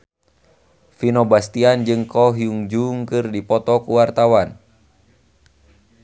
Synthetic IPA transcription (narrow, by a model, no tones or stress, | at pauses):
finɔbast̪iand͡ʒɨŋkɔɦiuŋd͡ʒuŋkɨrdipɔt̪ɔkuwart̪awan